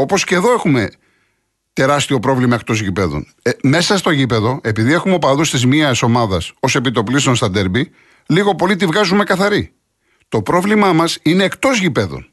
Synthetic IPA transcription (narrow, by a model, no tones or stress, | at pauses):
o̞po̞sce̞ðo̞e̞xume̞ | t̪e̞ɾɐst̪io̞pɾo̞vlimɐe̞k̚t̪o̞zʝipe̞ðo̞̰n | me̞sɐst̪o̞ʝipe̞ðo̞e̞piðie̞xumeopɐðust̪izmiɐso̞mɐðɐso̞sepit̪o̞plist̪onst̪ɐnd̪eɾbi | liɣo̞po̞lit̪ivɣɐzume̞kɐθɐɾi | t̪o̞pɾo̞vlimɐmɐsine̞ːkt̪o̞zʝipe̞ðo̞̰n